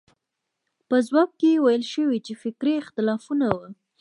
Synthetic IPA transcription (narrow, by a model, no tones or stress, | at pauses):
pəzwɑk̚kewajəlʃəwit͡ʃefɪkɾeɪxt̪ɪlɑfunawə